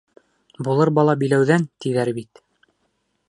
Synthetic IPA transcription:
bulˠɤɾbɑlˠɑbilæwðænt̪iðæɾbit̪

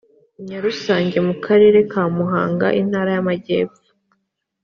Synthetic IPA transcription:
ɲɲaɾusaːɲɟe̞mukʰaɾe̞ːɾe̞kaːmuɦaːŋɡa̰ʔin̥haːɾajamaɟḛːpo̥

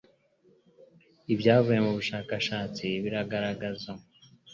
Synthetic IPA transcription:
ibɟaːvuje̞muβuʃaːkaʃaːt͡siβiɾaɡaɾaɡaza

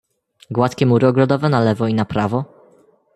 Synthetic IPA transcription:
ɡwat̪kʲɛmuɾɘɔɡɾɔd̪ɔvɛnalɛvɔinapɾavɔ

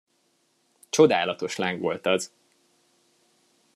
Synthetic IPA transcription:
t͡ʃo̞d̪aːlɒt̪o̞ʃlaŋɡʋo̞lt̪ɒz

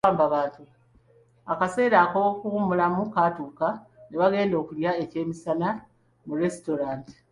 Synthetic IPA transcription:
aːmbaβaːntu | akase̞ːɾaːkokuumulamukaːtuːkaneβaɡe̞ːndo̞ːkuljae̞ce̞ːmisana | muɾe̞sito̞ɾaːnti̥

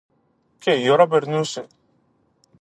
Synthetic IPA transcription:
kejoɾabeɾnuse

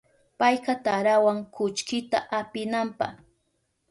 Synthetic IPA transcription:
pajqɑt̪aɾawaŋkʊt͡ʃkɪt̪a̰ʔapɪnampɑ̰χ

